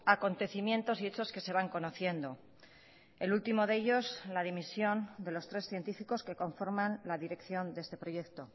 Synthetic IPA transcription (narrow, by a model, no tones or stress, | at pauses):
ako̞nt̪e̞θimjẽ̞nt̪o̞siet͡ʃo̞ske̞se̞β̞aŋko̞no̞θje̞nd̪o̞ | e̞lult̪imo̞ðe̞ʎo̞slað̞imisjo̞nd̪e̞lo̞st̪ɾe̞sθje̞nt̪ifiko̞ske̞ko̞ɱfo̞ɾmanlaðiɾe̞kθjo̞nd̪e̞st̪e̞pɾo̞je̞kt̪o̞